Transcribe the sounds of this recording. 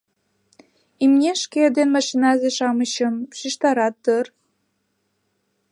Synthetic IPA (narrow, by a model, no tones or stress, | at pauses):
imnʲeʃked̪enmɑʃinɑzeʃɑmət͡ɕəmʃiʃt̪ɑɾɑt̪ːər